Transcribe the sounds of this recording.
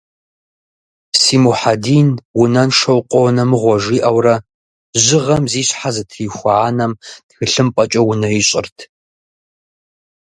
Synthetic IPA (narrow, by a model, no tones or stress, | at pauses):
siːmuħadiːnwʊnɐnʂɐwqʷʼɔnɐmɨʁʷɔʒiːʔɐwrɐ | ʑɪʁɐmziːɕħazɨtʰriːxʷaʕaːnɐmtxɨɬɨmpʼɐt͡ʃʼɐwʊnɐjɪɕʼɪ̰rtʰ